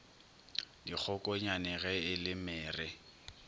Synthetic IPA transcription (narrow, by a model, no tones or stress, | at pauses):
dik͡xʰɔkʼɔɲanɛɣɛɪlɪmɛːrɪ